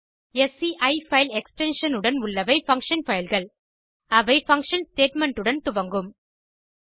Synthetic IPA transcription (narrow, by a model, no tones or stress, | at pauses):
ɛsiʔɐɪfɐɪlɛksʈɛnʂɐnɯɽɐnʊɭːɐʋɐɪfɐ̃ŋkʂɐnfɐjɪlɣɐɭ | ɐʋɐɪfɐŋkʂɐnsʈeːʈmɛɳʈɯɽɐnt̪ʊʋɐŋɡɯm